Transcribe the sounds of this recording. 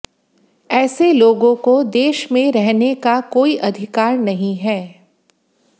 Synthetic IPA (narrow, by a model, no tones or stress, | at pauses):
ɛːseloːɡõkod̪eːʃmẽɾɛɦnekakoːiʔɐd̪ʱɪkaːɾnɐɦĩɦɛː